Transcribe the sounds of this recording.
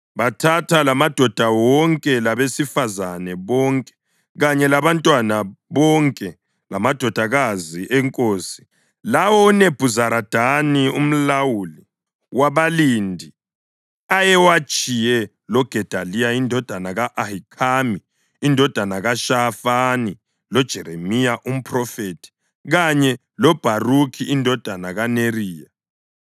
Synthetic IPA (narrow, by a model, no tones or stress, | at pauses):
βatʰatʰalamad̥ʱɔd̥ʱawɔŋkʼɛlaβesifazanɛβɔŋkʼɛ̥ | ɣaɲɛlaβantʼwanaβɔŋkʼɛ | lamad̥ʱɔd̥ʱaɣaziʔɛŋkʼoːsi̥ | lawɔneb̥ʱuzaɾad̥ʱanium̩lawuli | waβaliːndʱi | ajɛwat͡ʃʼijɛ | lɔɡ̥ʱɛd̥ʱalijaindʱɔd̥ʱanaɣaʔahikʰamiː | ndʱɔd̥ʱanaɣaʃafani | lɔd̥ʒ̥ʱɛɾemijaʔum̩pʰʼrɔfetʰi̥ | ɣaɲɛ | lɔb̥ʱarukʰiːndʱɔd̥ʱanaɣaneriːja